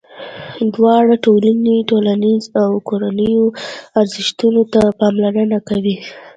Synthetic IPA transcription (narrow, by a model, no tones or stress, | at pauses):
d̪wɑɽaʈolaniʈolanizawkoɾanəjoaɾzɪʃt̪unot̪apɑmlaɾənakawi